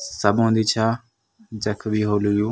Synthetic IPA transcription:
səbɦõːnd̪iːt͡ʃʰaː | d͡ʒəkʰbʱiːɦoːljuː

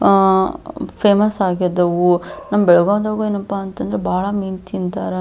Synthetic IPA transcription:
pʰeːmɐsaːɡid̪ɐʋunɐmːɐbɛɭɐɡoːd̪aːɡueːnɐpːaːnt̪ɐnd̪ɐɾebaːɭɐmiːnt̪ʰint̪aːɾe

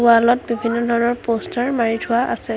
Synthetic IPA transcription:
alɔtbibʱinːɔdʱɔɹɔnɔɹpostaɹmaɹitʰʊaʔa̰sɛ

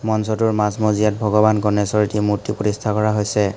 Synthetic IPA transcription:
mɔnsɔtuɹmasmozijat̚bʱɔɡɔbankɔnɛsɔɹitimuɹtipotistʰakɔɹaɦojsɛ

